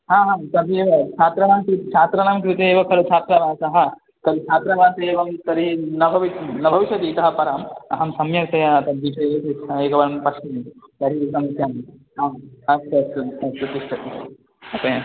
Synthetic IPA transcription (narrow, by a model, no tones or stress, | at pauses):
ɦãːɦãːt̪ɐd̪ʱeːʋɐt͡ʃʰaːt̪ɾɐnaːmkɾit̪t͡ʃʰaːt̪ɾɐnaːmkɾit̪eeːʋɐkʰɐɾut͡ʃʰaːt̪ɾɐʋaːsɐɦɐ̆ | t̪ɐɾit͡ʃʰaːt̪ɾɐʋaːsɐeːʋɐmt̪ɐɾinɐbʱɐʋinɐbʱɐʋiʃɐt̪iːt̪ɐɦɐpɐɾaːmɐ̰ɦɐmsɐmjɐsɐjat̪ɐd̪iʃɐjɐt̪it͡ʃʰɐeːkɐʋɐnɐmpɐʃt͡ʃimt̪ɐɾik̪ɐmt̪jɐmɦaːɐsɐsɐɐpɾɐt̪iʃʈʰɐt̪ | ɐpɐjɐ